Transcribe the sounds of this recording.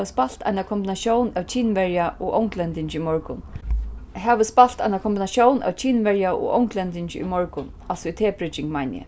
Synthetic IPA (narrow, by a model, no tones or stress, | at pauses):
əspal̥t̪ʰa̰jnakʰɔmbɪnaʃjownæwt͡ʃʰiːnʋɛɹjaʔɔʔo̰wŋklɛnt̪ɪɲt͡ʃɪimɔɹkʊn | ɦɛːʋəspal̥t̪a̰ɪnakʰɔmbinaʃjownæ̰wt͡ʃʰiːnʋɛɹjaʔɔ̰ɣʔo̰wŋklɛnt̪ɪɲt͡ʃɪḭmɔɹkʊn | alsɔit̪ʰeːpɾɪt͡ʃɪŋmajnjɪ̰